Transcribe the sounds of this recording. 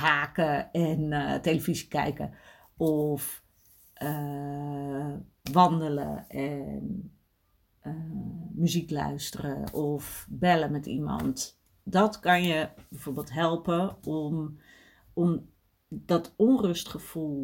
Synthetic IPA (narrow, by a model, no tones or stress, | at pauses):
ɦaːkəɛnteləvizikɛ̰jkə̰ | ɔf | ʔə | ʋɑndələ̰ʔɛn | əmyziklœ̰ɥstərə̰ʔɔfbɛləmɛtḭmɑ̰nt | dɔtkɑnjəbɛjfoːɹbeːlˠtɦɛlˠpəɔm | ɔm | dɔtʰɔnrɵstχəfulˠ